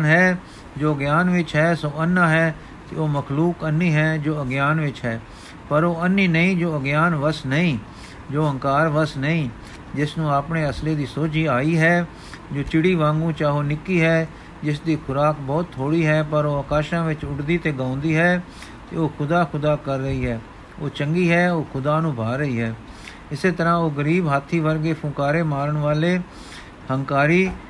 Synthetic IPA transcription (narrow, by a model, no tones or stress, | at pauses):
nɦɛː | d͡ʒoːəɡjaːnʋɪt͡ʃɦɛːsõːənːãːɦɛː | t̪ḛːoːməkʰluːkənːĩːɦɛːd͡ʒoːəɡjaːnʋɪt͡ʃɦɛː | pəɾoːənːiːnəĩːd͡ʒoːəɡjaːnʋəsnəĩː | d͡ʒoːə̃ŋkaːɾʋəsnəĩː | d͡ʒɪsnũːaːpɳeːəsleːd̪iːsoːt͡ʃiːaːiːɦɛː | d͡ʒoːt͡ʃɪɽiːʋãːŋɡũːt͡ʃaːɦoːnɪkːiːɦɛː | d͡ʒɪsd̪iːkʰʊɾaːkbɔːt̪ʰːoːɽiːɦɛːpəɾoːəkaːʃãːʋɪt͡ʃʊʈd̪iːt̪eːɡãːʊ̃nd̪iːɦɛː | t̪ḛːoːkʰʊd̪aːkʰʊd̪aːkəɾːəiːɦɛː | oːt͡ʃəŋɡiːɦɛːoːkʰʊd̪aːnũːbʱaːɾəiːɦɛː | ɪseːt̪əɾãːoːɡəɾiːbɦaːt̪ʰːiːʋəɾɡeːpʰʊ̃kaːɾeːmaːɾəɳʋaːleː | həŋkaːɾiː